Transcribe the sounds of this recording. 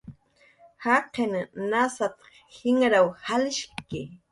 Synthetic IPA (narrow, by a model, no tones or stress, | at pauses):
haqennasat̪ | hɪŋɾawhalɪʃkɪ